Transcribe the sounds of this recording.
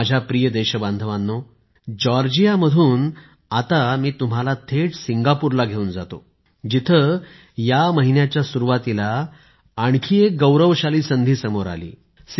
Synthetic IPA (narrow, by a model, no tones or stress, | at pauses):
d͡ʑʱjapɾijəd̪eɕəbãnd̪ʱəʋanːo | d͡ʑɔɾd͡ʑijaməd̪ʱuːn | at̪amiːt̪um̤alat̪ʰeʈsiŋɡapuɾlaɡʱeuːnd͡zat̪o̰ | d͡ʑit̪ʰə | jaməɦinjat͡ɕjasuɾuʋat̪ilaː | ɳkʰiek̚ɡəwɾəʋɕaliːsənd̪ʱiːsəmoɾa̰lḭː | s